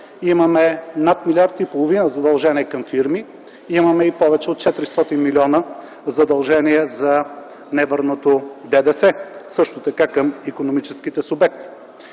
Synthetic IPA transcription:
imɐmɛnat̪milʲaɾt̪ipolˠovinəzɐd̪ɐlˠʒɛniɛkɐmfiɾmi | imɐmɛipɔvɛt͡ʃɛot̪̚t͡ʃɛt̪ɾist̪ɔt̪inmilʲiɔnə | zɐd̪ɐlˠʒɛniɛzɐ | nɛvəɾnot̪od̪ɛd̪ɛsɛsɤʃt̪ot̪ɐkakəmikonomit͡ʃɛskit̪ɛsʊbɛk̚t̪i̥

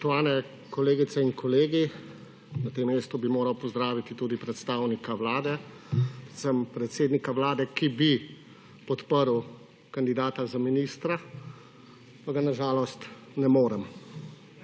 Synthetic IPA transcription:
ak̚t̪ɔaːlnɛ | kɔleːɡit̪sɛinkɔleːɡi | nat̪emːeːst̪ubimoːɾawpɔzd̪ɾaːʋit̪it̪uːd̪ipɾɛt̪st̪aːwnikawlaːd̪ɛ | pɾɛt̪səmpɾɛt̪seːd̪nikaʋlaːd̪ɛkibi | pɔt̪pəɾw | kand̪id̪aːt̪azaminiːst̪ɾa | paɡanaʒaːlɔst̪ | nɛmoːɾɛm

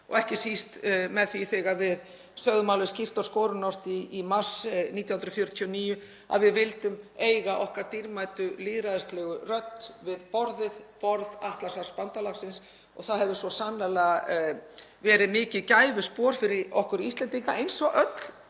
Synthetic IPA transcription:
ɔ̰ɣɛhcɪsist̪mɛðθiθɪɣavɪð | sœɣðʏmawlʏscir̥t̪askɔːɾʏnɔr̥t̪iːmḁsniːt̪jahʏnɾʏfjœɾʏt̪ʰjɔniːjʏ | a̰ðvɪðvɪlt̪ʏmeːjɣaʔɔhkaɾt̪iɾmaːjt̪ʏliːðɾaðɪst̪lɛɣʏrœt̪ːvɪðpɔɾðɪðpɔɾðaht̪lasaspant̪alaxsɪns | ɔɣθaðhɛvðʏsvɔsanlɛl | vɛːɾɪðmɪːcɪðcaːjvʏspɔːɾ̥fɪɾɪɾɔhkʏɾiist̪lɛnt̪iŋkaʔejnsɔʔœt̪l̥

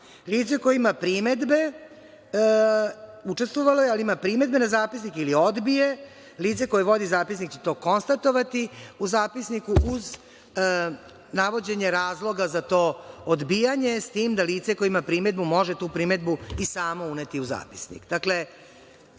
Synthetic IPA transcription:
liːt̪sekojeimapɾime̞d̪be̞ | ut͡ʂe̞st̪ʋoʋalo̞jealiimapɾiːme̞d̪be̞nazaːpisnikilio̞d̪bije̞ | liːt̪se̞ko̞jeʋo̞d̪izaːpisnikt͡ɕe̥t̪o̞ːko̞nst̪at̪o̞ʋat̪iuzaːpisnikuʔuz | naʋo̞d͡ʑe̞ɲe̞ɾaːzlˠo̞ɡazat̪oːod̪biːjaɲe̞st̪iːmd̪aliːt̪sekojimapɾiːme̞d̪bumo̞ʒe̞t̪uːpɾime̞d̪buisaːmounet̪iuza̰ːpi̥snḭkd̪akle̞

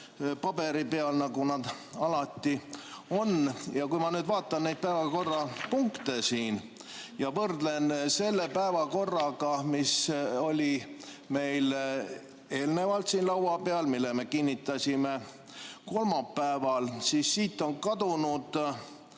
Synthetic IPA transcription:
pɑb̥e̞ɾipeɑlnɑɡunɑd̪̥ | ɑlɑt̪ːio̞njɑkujmɑnyːd̪vɑːt̪ːˑɑnnejd̪̥̚pæevɑko̞rːɑpuŋkt̪e̞siːn | jɑvɤrd̪le̞nse̞lːe̞pæevɑko̞rːɑɡɑmiso̞lʲi | me̞jl | e̞ːlne̞vɑlt̪siːnlɑwɑpeɑlmilːeme̞kinʲːit̪ːˑɑsʲime | ko̞lmɑpːæevɑlsisːiːt̪ːˑo̞nkɑd̪unud̪̥

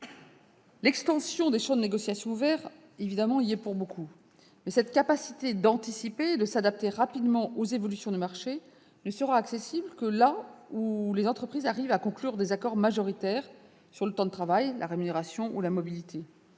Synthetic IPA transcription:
lɛkst̪ɑ̃sjɔ̃d̪eʃɑ̃d̪əneɡɔsjasjɔ̃uvɛʁ | evid̪amɑ̃iɛpuʁbokʰu | mɛsɛt̪kapasit̪ed̪ɑ̃t̪isipeːd̪əsad̪ap̚t̪eʁapid̪mɑ̃ʔozevɔlysjɔ̃d̪əmaʁʃe | nəsəʁaːksesiblkəlaulezɑ̃t̪χəpχizaʁivakɔ̃klyʁd̪ezakɔʁmaʒɔʁit̪ɛʁ | syʁlət̪ɑ̃d̪ət̪χavajlʔa̰ʁemyneʁasjɔ̃ʔṵlamɔbilit̪ʰe

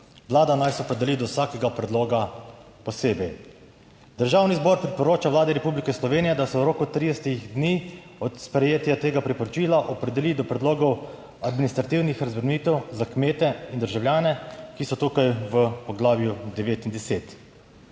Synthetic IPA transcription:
ʋlaːd̪anajsɛɔpɾɛd̪ɛlid̪ɔwsaːkɛɡapɾɛd̪loːɡa | pɔseːbɛj | d̪̥əɾʒaːwnizbɔɾpɾipɔɾoːt͡ʃaʋlaːd̪ɛɾɛpublikɛslɔʋeːnijɛd̪asɛwɾoːkut̪ɾid̪ɛst̪iɣd̪ni | ɔt̪spɾɛjeːt̪jat̪eːɡapɾipɔɾɔt͡ʃiːlaʔɔpɾɛd̪ɛlid̪ɔpɾɛd̪loːɡɔw | ad̪minist̪ɾat̪iwnixɾazʋəɾmiːt̪ɛwzakmeːt̪ɛind̪əɾʒawlʲjaːnɛkisɔt̪uːkajʋəpɔɡlaːʋjud̪ɛʋeːt̪ind̪ɛseːt̪

